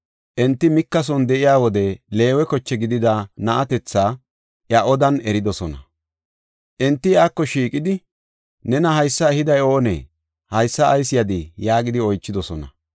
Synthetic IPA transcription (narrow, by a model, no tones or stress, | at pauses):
ʔɛnt̪ːɪmɪkːɐs̬ɔnd̪ɛʔɪjaːwɔd̪ɛle̞ːwɛkɔt͡ʃːɛɡɪd̪ɪd̪anɐʔɐt̪ɛt͡sːaː | ʔjɐʔɔd̪ɐnɛɾɪd̪ɔsɔnɐ̰ | ʔɛnt̪ːɪjaːkːɔʃiːkʼɪd̪ɪ | nɛnɐɦɐjsːɐɛhɪd̪ɐjo̞ːnɛ̰ | hɐjsːɐʔːjsɪjɐd̪ɪjaːɡɪd̪ɪɔjt͡ʃːɪd̪ɔsɔnɐ̰